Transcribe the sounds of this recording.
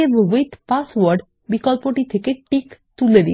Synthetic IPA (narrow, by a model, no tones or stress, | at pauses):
ebwit̪paswaɾɖ | bikɔlpoʈit̪ʰekeʈikt̪uled̪ḭ